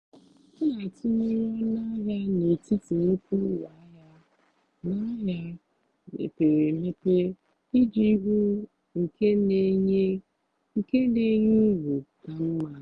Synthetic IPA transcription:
ʊ˦la˨tʊ˦nu˦ɾɔ˦na˦ɦa˦ne˨ti˦te˨e˦k̚u˦wa˨a˦ja˦ | na˦ja˦ | mḛ˨pe˨ɾe˨me˦pe˦ | i˦d͡ʒi˦ɦu˦ | ŋ̩˨ke˦ne˦ɲe˦ | ŋ̩˨ke˦ne˦ɲu˦ɡʷu˨ka˨m̩˦ma˨

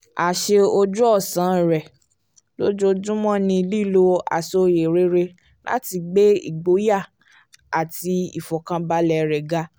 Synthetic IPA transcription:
a˨ʃe˧o˧d͡ʒu˦ɔ˦˨sã˨˦˨ɾɛ˨ | lo˦d͡ʒo˧d͡ʒũ˦mɔ̃˦nĩ˧li˦lo˧a̰˨so˧je˨ɾe˦ɾe˧ | lʔa̰˦ti˧ɡ͡be˦ḭ˦˨ɡ͡bo˨˦ja˦˨ | a˨ti˧ḭ˨fɔ˨kã˧ba˧lɛ˧˨ɾɛ˨ɡa˦

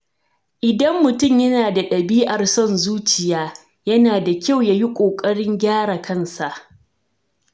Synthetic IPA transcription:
ʔɪ˨dɐ˦mːʊ˨tʊ˦˨mjɐ˦naː˨da˨ɗɐ˨biː˦ʔa˨rsɔ˦nzuː˦t͡ʃɪ˨jaː˦ | jɐ˦naː˨da˨kʲa˦˨wjaː˦ji˦kʷʼoː˨kʼɐ˦ɽɪ˦ŋɡʲaː˦ɽa˨kɐ˦nsa˨ʔ

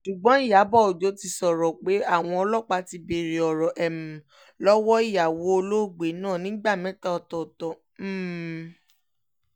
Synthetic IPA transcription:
ʃu˨ɡ͡bɔ̃˨˦i˦˨ja˨˦bɔ˦˨o˨d͡ʒo˨˦ti˧sɔ˨ɾɔ˨k͡pe˨˦a˦˨w̃ɔ̃˧ɔ˧lɔ˦˨k͡pa˧ti˧be˧ɾi˨ɔ˨ɾɔ˨ʔɛ˨m̩̃˨ | lɔ˦wɔ˦i˦˨ja˨wo˧˦o˧lo˦˨ɡ͡be˨˦nãː˦˨nĩ˨˦ɡ͡ba˦˨mɛ̃˨˦ta˦ɔ˨tɔ˨tɔ˨˦˨

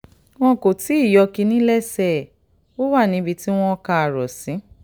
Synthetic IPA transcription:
w̃ɔ̃˦ko˨ti˨˦i˦˨jɔ˧ki˧nĩ˦lɛ˦sɛ˦˨ | o˦wa˦˨nĩ˧˦bi˧ti˦w̃ɔ̃˦˧ka˧a˨ɾɔ̰˨sĩ˨˦

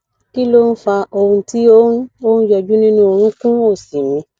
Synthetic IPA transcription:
ki˦lo˦n̩˦fa˧o˧hũ˧ti˦o˦n̩˦o˦n̩˦jɔ˧d͡ʒu˦nĩ˦nũ˦o˧ɾ̃ũ˦kũ˦o˦˨si˨mĩ˧˦

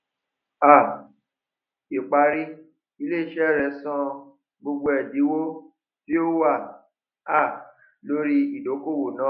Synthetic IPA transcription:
a˦˨ | i˨k͡pa˧˦ɾi˦ | i˧leː˦˨ʃɛ˦˨ɾɛ˨˦sã˧ | ɡ͡bo˧ɡ͡bo˧ɛ˨di˨˦wo˦ | fi˦o˦wa˦˨ | a˦˨ | lo˦ɾi˦i˨do˨˦ko˦˨wo˨nã˦˨

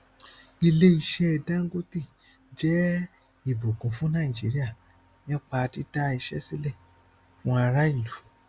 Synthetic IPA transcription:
i˧le˦i˧˨ʃɛ˧ɛ˧dã˦ŋ˦ɡo˦ti˦˨ | d͡ʒɛ˦ | i˦˨bo˨kũ˨˦fũ˨˦nã˦˨i˨d͡ʒi˨˦ɾi˦a˦˨ | nĩ˦k͡pa˧ti˦ta˦i˧˨ʃɛ̰˦si˦lɛ˦˨ | fũ˦a˧ɾa˦i˦˨lu˨˦

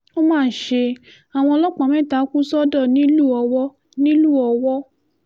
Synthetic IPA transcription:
o˦mãː˦n̩˨ʃe˧ | a˨w̃ɔ̃˧ɔ˧lɔ˦k͡pã˨mɛ̃˦˨ta˨˦ku˦sɔ˦dɔ˦˨nĩ˦lu˦˨ɔ˧wɔ˦ | nĩ˦lu˦˨ɔ˧wɔ˦

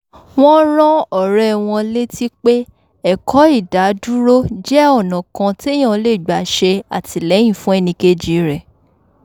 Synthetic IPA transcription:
w̃ɔ̃˦ɾ̃ɔ̃˦ɔ˨ɾɛ˦w̃ɔ̃˧le˦ti˦k͡pe˦ | ɛ˦˨kɔ˨˦i˦˨da˨˦du˦ɾo˦d͡ʒɛ˦ɔ˦˨nã˨kã˧te˦j̃ã˦˨˧le˦˨ɡ͡ba˨˦ʃe˧a̰˨ti˧lɛ˨˦j̃ĩ˦˨fũ˦ɛ˦˨nĩ˧ke˦d͡ʒi˨˦ɾɛ˦˨

